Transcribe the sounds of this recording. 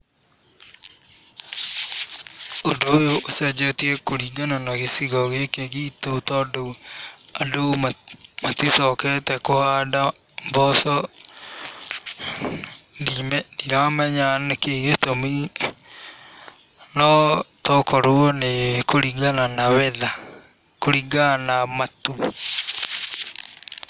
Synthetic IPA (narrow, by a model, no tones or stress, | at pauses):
odoojoʔosad͡ʒɔtiɛkoɾiɡananaɣesiɣɔɣekeɣitotɔdo | adommatesɔkɛtɛkohada | mbɔsɔ | dimɛdiɾamɛɲanekeɣetomi | nɔtɔkɔɾoɔnekoɾiɡananawɛða | koɾiɡanamatu